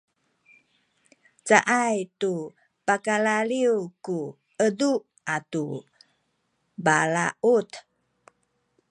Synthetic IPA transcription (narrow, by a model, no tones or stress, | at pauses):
t͡saʔajtu | pakalaliwku | ədu | atu | balaʔut̪